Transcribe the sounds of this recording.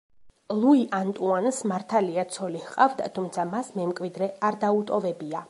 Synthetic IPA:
lˠuiʔant̪ʼuansmaɾt̪ʰaliat̪sʰɔlihqʼavd̪at̪ʰumt̪sʰamasmɛmkʼwid̪ɾɛaɾd̪aut̪ʼɔvɛbia

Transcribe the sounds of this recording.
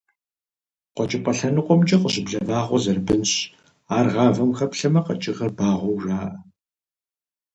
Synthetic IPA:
qʷɔt͡ʃʼɪpʼɐɬɐnɨqʷʼɔmt͡ʃʼɐqəɕɪbɮɐvaːʁʷɔzɐrbɨnɕ | aːrʁɑːvɐmxɐpɬɐmɐqɐt͡ʃʼɪʁɐrbaːʁʷɔwʒaːʔɐ

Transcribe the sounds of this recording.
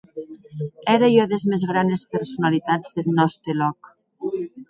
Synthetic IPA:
ɛɾejɔðezmezɣɾanespeɾsunalit̪ad͡zðelnɔst̪elɔk

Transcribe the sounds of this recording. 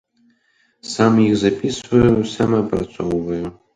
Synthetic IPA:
samjixzapʲisvɐjusʲamɐpɾat̪sɔwvɐju

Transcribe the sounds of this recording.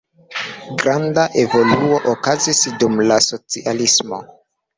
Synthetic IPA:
ɡɾandaʔevo̞luo̞ʔokazisdumlaso̞t͡siʔalismo̞̰

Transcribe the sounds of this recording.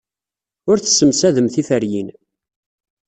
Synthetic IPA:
ʊɾθəsəmsæðəmθifəɾjin

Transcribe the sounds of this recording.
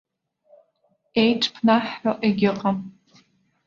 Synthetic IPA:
ejʈ͡ʂʰʼpʰnaħːaʔeɡʲɪqʼam

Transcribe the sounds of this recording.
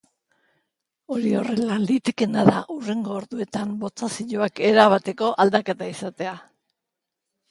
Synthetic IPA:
o̞ɾio̞re̞lalit̪ikenaðaʔure̞ŋɡo̞ːɾðue̞t̪ambo̞t͡sasiʎoake̞ɾaβat̪e̞ko̞ʔald̪ake̞t̪aisat̪e̞a

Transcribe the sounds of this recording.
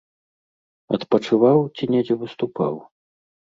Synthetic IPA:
ɐ̰t̪pɐt͡ʂɨvawt͡sʲinʲɛd͡zʲɛvɨst̪upa̰w

